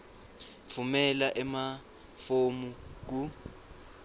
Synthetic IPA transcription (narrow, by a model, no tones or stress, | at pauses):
fʰumɛlaʔɛma | fomuk̬u